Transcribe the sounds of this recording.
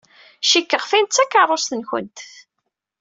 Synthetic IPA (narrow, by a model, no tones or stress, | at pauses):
ʃikːəʁfint̪t͡sːækːərˤosθənçə̰nt̪